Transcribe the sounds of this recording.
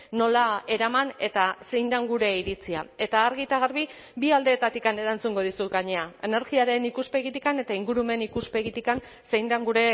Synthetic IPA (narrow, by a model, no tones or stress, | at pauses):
no̞lae̞ɾamane̞t̪ase̞jnd̪aŋɡuɾe̞iɾit͡sia̰e̞t̪aːɾɣit̪aɣ̞aɾβi | biald̪e̞ːt̪at̪ikane̞ɾant͡suŋɡo̞ðisuɡaɲe̞ae̞ne̞ɾɣiaɾe̞nikuspe̞ɣit̪ikane̞t̪aiŋɡuɾume̞nikuspe̞ɣit̪ikan | se̞jnd̪aŋɡuɾe̞